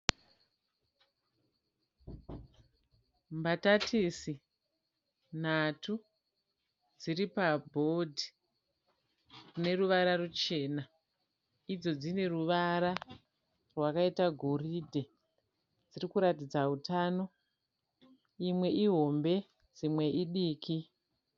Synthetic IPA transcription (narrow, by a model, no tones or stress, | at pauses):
mbatatʰisi | n̤atʰu | d͡ziɾipabʱo̞dʱi | rune̞ruʋaɾarut͡ʃe̞ːna | id͡zo̞d͡zine̞ruʋaɾa | rwakaitaɡʱo̞ridʱe̞ | d͡zirikuɾatid͡zaɦutano̞ | imwe̞ʔiɦo̞mbe̞ | d͡zimwe̞ʔiɗiːkʰi